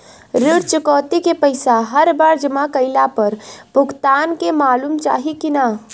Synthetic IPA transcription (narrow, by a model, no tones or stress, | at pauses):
ɾɪɽt͡ʃəkɔːt̪ikepəɪsaɦəɾbaːɾd͡ʒəmakəɪlapəɾbʊɡt̪aːnkemaːlumt͡ʃa̰ːɦikina